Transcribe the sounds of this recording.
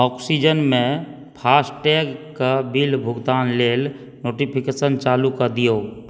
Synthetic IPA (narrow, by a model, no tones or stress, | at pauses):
ɔːksid͡ʒənmẽ | pʰaːsʈʈɛɡkabilbʱʊɡd̪aːnleːl | noːʈipʰikeːsənt͡ʃaːlukəɾd̪ijo